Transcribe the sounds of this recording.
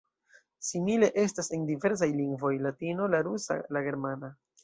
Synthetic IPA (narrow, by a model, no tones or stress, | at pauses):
simile̞ʔe̞stase̞ndive̞ɾs̬ajliŋɡvo̞jlatino̞laɾusa̰laɡe̞ɾmana